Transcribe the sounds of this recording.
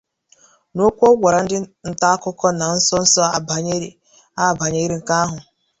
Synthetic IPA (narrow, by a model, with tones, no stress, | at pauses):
no˦kʷɔ˦ɡʷa˨ɾa˨n̩˦dɪ˦n̩˨ta˦a˦kʊ˦kɔ˦na˨n̩˦sɔ˦n̩˦sɔ˦a˦˨ba˨ɲe˦ɾe˨ | a˦˨ba˨ɲe˦ɾi˦ŋ̩˨ka˦a˦ɦʊ˨